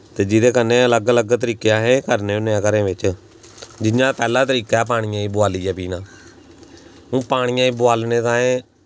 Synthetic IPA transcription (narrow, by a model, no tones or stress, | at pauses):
t̪eːd͡ʒɪd̪eːkənːẽːələɡələɡt̪əɾiːkjãːɦẽːkəɾnẽːʊnãːkəɾẽːʋɪt͡ʃ | d͡ʒɪjãːpɛːlaːt̪əɾiːkaːp̬aːɽ̃ɪjãːĩːbʊaːliːɛːpiːnãː | ũːpaːɽ̃ɪjãːĩːbʊaːlnẽːt̪ãːẽː